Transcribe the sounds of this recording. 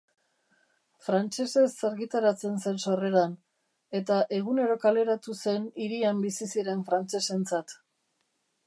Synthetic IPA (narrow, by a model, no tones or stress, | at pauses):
fɾant͡ʃe̞se̞sːaɾɣit̪aɾat͡se̞nse̞nso̞re̞ɾan | e̞t̪aʔe̞ɣ̞une̞ɾo̞kale̞ɾat̪use̞niɾiambisisiɾe̞ɱfɾant͡se̞se̞nt͡sat̪